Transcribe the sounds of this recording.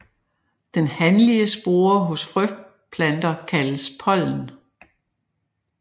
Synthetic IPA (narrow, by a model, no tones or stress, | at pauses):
d̥enhænliəsb̥o̝ːɐɦɔ̽sfʁœ | pʰlænd̥ɐkʰæləspʰɒ̽l̰n̩